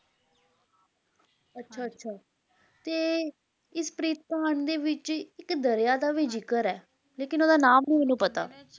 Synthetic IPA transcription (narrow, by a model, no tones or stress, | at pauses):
ətːʃʰaːtːʃʰaː | t̪eː | ɪspɾiːt̪̚paːɳd̪eːʋɪt͡ʃɪkd̪əɾjaːd̪aːʋiːd͡ʒɪkəɾɛː | leːkɪnoːd̪aːnaːmnĩːʊnũːpət̪a̰ː